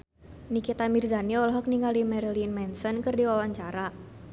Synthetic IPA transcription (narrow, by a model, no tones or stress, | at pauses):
nikit̪amirzaniɔlɔɦɔk̚niŋɡalimɛɾilinmɛnsɔnkɨrdiwawaɲt͡ʃaɾa